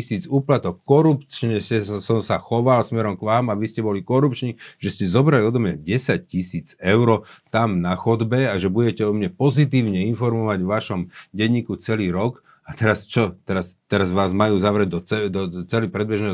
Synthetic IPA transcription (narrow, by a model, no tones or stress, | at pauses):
isiːt͡suːplat̪ɔkːɔɾupt͡ʃɲɛsɛsɔmsaxɔʋalsmɛɾɔmkʋaːmaʋiscɛbɔlikɔɾupt͡ʃɲiʒ̥ɛscɛzɔbɾaliɔd̪ɔmɲa̰ɟɛsac̚cisiːd͡zɛʊɾɔt̪amnaxɔd̪bɛaʒɛbuɟɛcɛɔmɲɛpɔzit̪iːʊɲɛinfɔɾmɔʋaɟʋaʃɔmɟɛɲiːkut͡sɛliːɾɔk | at̪ɛɾast͡ʃɔt̪ɛɾast̪ɛɾazʋaːzmajuːzaʋɾɛɟd̪ɔt͡sɛd̪ɔt͡sɛlipɾɛd̪̚bɛʒnɛ